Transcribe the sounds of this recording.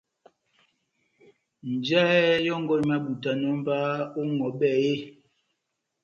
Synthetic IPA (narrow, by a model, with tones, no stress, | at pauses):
n̩˨d͡ʒa˦jɔ˦ŋ̩˦ɡɔ˦˨ma˦bu˨ta˨nɔ˦m̩˦ba˦o˦ŋɔ˨˦ɓɛ˦˨je˦